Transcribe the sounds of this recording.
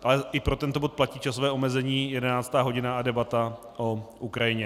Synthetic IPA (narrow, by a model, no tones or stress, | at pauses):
ʔalɛʔɪpɾo̞t̪ɛnt̪o̞bo̞t̪̚placiːt͡ʃasovɛːomɛzɛɲiːjɛdɛnaːt͡st̪aːɦo̞ɟɪnaadɛbat̪a | ʔoʔukɾajɪɲɛ